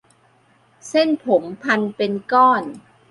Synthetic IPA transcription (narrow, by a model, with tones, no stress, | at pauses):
se˥˩npʰo˩˦mpʰa˧npe˧nkɔː˥˩n